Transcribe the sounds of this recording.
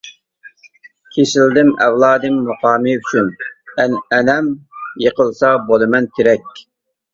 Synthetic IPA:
kʲʰeʃɪld̪ɪmɛ̰wlˠɑːd̪ɨmːuqɑːmɨyt͡ʃʰynɛnɛnɛmjeqəlˠsɑbolˠɨmɛnkʲʰeɾɛkʲ

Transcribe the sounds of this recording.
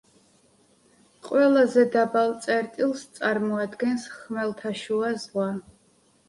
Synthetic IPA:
qʼwɛlazɛd̪abalt̪sʼɛɾt̪ʼilˠst̪sʼaɾmɔad̪ɡɛnsχmɛlt̪ʰaʃuazʁwa

